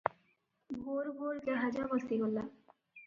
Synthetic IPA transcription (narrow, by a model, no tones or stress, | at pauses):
bʱoɾbʱoɾd͡ʑaɦad͡ʑabɔlt̪iɡolːa